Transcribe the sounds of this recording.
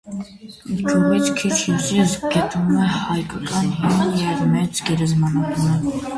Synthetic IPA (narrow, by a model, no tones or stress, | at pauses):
it͡ʃʰuʁit͡sʰkʰit͡ʃʰuzizɡɛt̪ʰʼumɛhɑjkʼɑkʼɑnɦimjɛvmɛt͡sɡɛɾɛzmɑnɑt̪ʰunə